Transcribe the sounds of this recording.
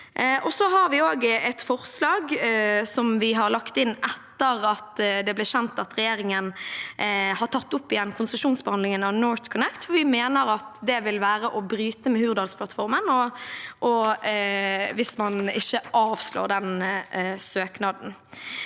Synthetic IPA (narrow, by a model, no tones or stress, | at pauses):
ʔɔsɔɦɑɾʋɪoːɡɛt̪fɔʁslɑːɡsɔmʋɪɦɑɾlɑkt̪ɪnːɛt̪ːəɾɑt̪d̪ɛblɪːɕɛnt̪ɑt̪ɾɛjeːɾɪŋən | hɑʁʈʰɑt̪ːʊpːɪjɛnːkʰʊnsəʂuːnsbəhɑnlɪŋənɑʋnoːɾt̪kʰʊnɛkt̪fɔʋɪmeːnəɾɑt̪d̪ɛʋɪlʋæːɾəʔɔbɾyːt̪əmɛhʉːʋəɾd̪ɑːlspʰlɑt̪fɔɾmənɔʔɔ | ʋɪsmɑnɪçːəʔɑːʋslo̰ːɖ̪ɛn | søːknɑd̪n̩